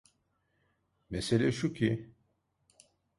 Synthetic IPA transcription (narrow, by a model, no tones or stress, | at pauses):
meselʲɛʃucʰi